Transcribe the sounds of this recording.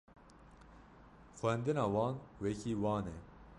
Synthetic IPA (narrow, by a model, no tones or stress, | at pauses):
xʷɛnd̪ɨnɑːwɑːnwɛkʰiːwɑːnɛ